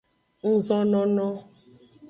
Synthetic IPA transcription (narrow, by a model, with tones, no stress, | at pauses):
n̩˦zɔ˦nɔ̃˦nɔ̃˦